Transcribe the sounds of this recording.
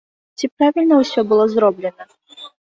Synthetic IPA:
t͡sʲipɾavʲilʲnəwsʲɔbɨlˠɔzɾɔblʲɛnɐ

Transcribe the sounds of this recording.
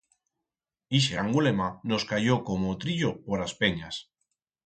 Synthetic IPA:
iʃ̬eaŋɡulemanoskaʝokomot̪ɾiʎopoɾaspeɲas

